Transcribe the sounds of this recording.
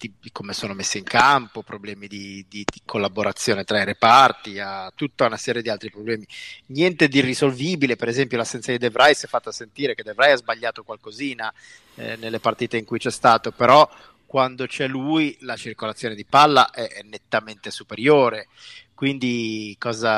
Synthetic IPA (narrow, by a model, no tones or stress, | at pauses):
t̪ikʰomesoːnomesːiiŋkampopɾoblɛːmid̪id̪ikʰolːaboɾat̪sːjoːnet̪ɾaiɾepart̪iat̪ːut̪ːaunasɛːɾjed̪ialt̪ɾipɾoblɛːminjɛnt̪ed̪irːizolviːbilepeɾezɛmpjolasːɛnt̪saked̪evɾʔajsɛfːat̪ːasent̪iːɾeked̪evɾajazbaʎːaːt̪okwalkoziːna̰ | nelːepart̪iːt̪eiŋkujt͡ʃɛst̪aːt̪opeɾɔ | kwand̪ot͡ʃɛlujlat͡ʃirkolat̪sːjoːned̪ipalːa̰ʔɛɛnːet̪ːament̪esupeɾjoːɾe | kwind̪ikɔːza